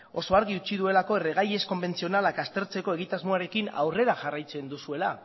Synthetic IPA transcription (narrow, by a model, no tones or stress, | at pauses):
o̞so̞aɾɣiut͡siðue̞lako̞e̞re̞ɣ̞aje̞sko̞mbe̞nt͡sio̞nalakast̪e̞ɾt͡se̞ko̞e̞ɣit̪azmoaɾe̞kina̰wre̞ɾaʝarajt͡se̞nd̪usue̞la